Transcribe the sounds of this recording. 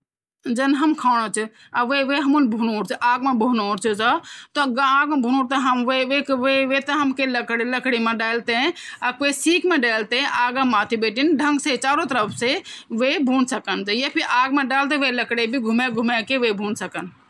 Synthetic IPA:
d͡ʒɐnɦɐmkʰaːɽ̃ot͡ʃʰ | aʋeʋeɦɐmunbʱuːnoːɾt͡ʃʰʔaːɡmabʱuːnoːɾt͡ʃʰɨd͡ʒat̪oɡaːɡmebʱunoːɾt̪ɐɦɐmʋeʋekʋeʋet̪ɐɦɐmkeləkɽeləkɽemẽɖaːlt̪ẽɐkʋesiːkmẽɖaːlt̪ẽʔaːɡamaːt̪ʰibeːʈinɖʱə̃ŋɡset͡ʃaːɾot̪əɾəpʰseʋebʱuːnsɐkənd͡ʒɐjɐpʰiʔaːɡmẽɖaːlt̪eʋelɐkɽebʱiɡʱumeɡʱumekeʋebʱuːnsɐkən

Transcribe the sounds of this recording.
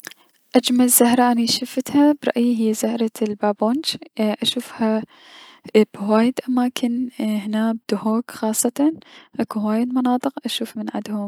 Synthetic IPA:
ʔad͡ʒmalzahɾˤɑʔaniʃafɪt̪habɾˤɑ̰ʔjiɦɪjːazahɾˤɑlbaːboːnd͡ʒʔaʃuːfha | b̥waːjɪd̪ʔamaːkʰɪnhɪnaːb̚d̪ʊhoːkxɑːsˤːɑt̪ɑnʔakuwaːjɪd̪mɑnɑːt̪ˤɨqʔaʃuːfmɪnʕa̰d̪hʊm

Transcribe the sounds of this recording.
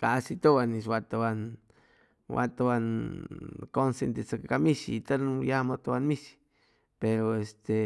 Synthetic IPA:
kasit̪owanis̬wat̪oan | wa̰t̪owan | konsent̪et͡sakakamisḭːt̪ajamot̪owanmisi̥ | peɾoest̪e

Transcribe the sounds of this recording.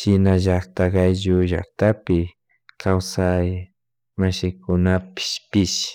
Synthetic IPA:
ʃɪnaʒakt̪akajʒʊʒa̰kt̪apɪ | kʰawsaj | maʃɪkʊnapɪ̥ʃpɪʃ

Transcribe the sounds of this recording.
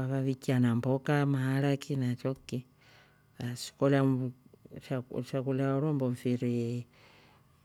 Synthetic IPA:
aβaβikianambokamahalakʰinat͡ʃoki | asi̥kola | ʃaʃakulaɾomboɱfiɾi

